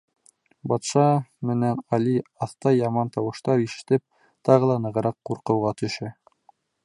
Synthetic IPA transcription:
bɑt̪ʃɑmɘ̆nænɑliɑθt̪ɑjɑmɑnt̪ɑwɤ̆ʃt̪ɑɾiʃɘ̥̆t̪ɘp̚ | t̪ɑʁɤ̆lˠɑnɤ̆ʁɤ̆ɾɑqːuɾqɤ̆wʁɑt̪ɵ̆ʃɘ

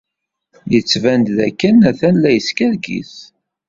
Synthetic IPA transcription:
jət͡sːvænd̪ðækːənæθænlæjəskæɾɡḭθ

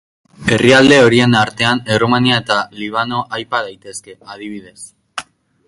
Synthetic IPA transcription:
e̞riald̪e̞o̞ɾie̞naɾt̪e̞anerumaniae̞t̪aliβ̞ano̞ʔajpaðajt̪e̞ske̞að̞iβ̞iðe̞s

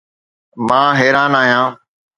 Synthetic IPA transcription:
mãːɦeːɾaːnaːɦijãː

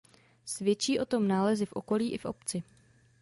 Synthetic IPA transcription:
svjɛt͡ʃiːʔo̞t̪o̞mnaːlɛzɪfʔo̞ko̞liːʔɪfʔo̞̰pt͡sɪ

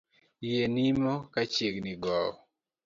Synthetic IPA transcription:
jenimɔkat͡ʃeɡniɡɔɔ

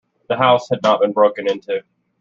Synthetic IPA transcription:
ðəɦaʊshɨdⁿnət̚b̥ɨ̃nbɹoʊkɨ̃nɪ̃ntʰʉ

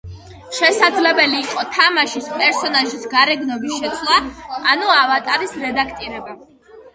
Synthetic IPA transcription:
ʃɛsad̪zlɛbɛliːqʼɔt̪ʰamaʃispʼɛɾsɔnaʒisɡaɾɛɡnɔbisʃɛt̪sʰlˠaːnuavat̪ʼaɾisɾɛd̪akʰt̪ʼiɾɛba

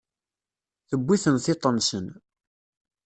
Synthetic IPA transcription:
θəbʷːiθənθɪt̪ˤːənsən

